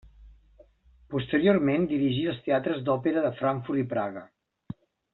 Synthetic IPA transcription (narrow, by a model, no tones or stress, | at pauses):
pust̪əɾioɾmend̪iɾiʒiəlˠst̪eat̪ɾəzd̪ɔpeɾəðəfɾaɱfuɾt̪ipɾaɣə